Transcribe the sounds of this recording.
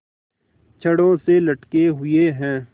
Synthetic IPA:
t͡ʃʰɐɽõselɐʈkeɦʊeɦɛ̃ː

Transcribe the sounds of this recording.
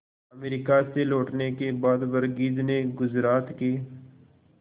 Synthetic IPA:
əmeɾikaseloːʈnekebaːd̪ʋəɾɡiːd͡ʒneɡʊzɾaːt̪keː

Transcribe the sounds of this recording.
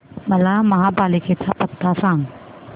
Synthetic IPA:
mɐlamɐɦãːbaːlikʰet͡ʃʰapɐt̪ːasãːŋ

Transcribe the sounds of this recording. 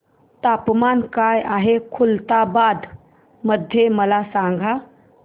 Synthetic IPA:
t̪apmankajʔaɦekʰult̪abad̪ | məd̪ʱjeməlasãŋɡʱa

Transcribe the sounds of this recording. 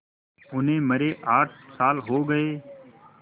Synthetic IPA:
ʊnẽːməɾeːʔaːʈʰsaːlɦoːɡəeː

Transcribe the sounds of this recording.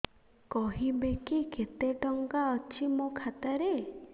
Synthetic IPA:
kɔɦibekiket̪eʈɔŋɡaɔt͡ʃʰimokʰat̪aɾe

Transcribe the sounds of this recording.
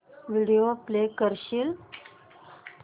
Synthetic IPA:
ʋiɽijoplekəɾɕiːl

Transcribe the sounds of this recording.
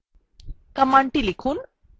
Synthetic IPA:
kɐmaɳʈilikʰuːn

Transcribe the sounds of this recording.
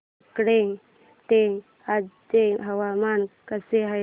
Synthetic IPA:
kɽe | t̪e | ad͡ʒt̪eɦəʋamankəseɦa

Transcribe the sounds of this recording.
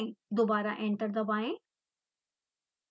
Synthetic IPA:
ĩd̪obaːɾaʔẽɳʈəɾd̪ɐbaːɦẽ

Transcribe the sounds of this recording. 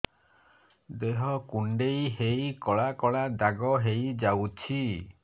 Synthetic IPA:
d̪eɦɔkuɳɖejɦejkɔɭakɔɭad̪aɡɔɦejd͡ʒawt͡ʃʰi

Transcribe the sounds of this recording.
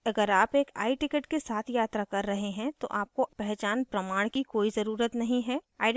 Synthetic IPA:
ɐɡəɾaːpeːka̰ːiʈɪkəʈkesaːt̪ʰjaːt̪ɾakɐɾːɐɦeɦɛ̃t̪o̰ʔaːp̚kopɛɦt͡ʃaːnpɾɐmaːɽ̃kikoːizɐɾuːɾət̪nɐɦĩɦɛːaːɪ

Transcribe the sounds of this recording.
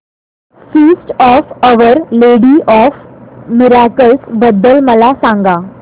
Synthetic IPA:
fiːsʈɔːfəʋəɾleɽiːʔɔːfmɪɾakəlsbəd̪ːəlməlasãŋɡa

